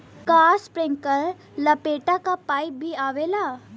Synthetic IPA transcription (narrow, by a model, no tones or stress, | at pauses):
kaspɾẽŋkəɾ | ləpeʈakapaip̚bʱiːaʋela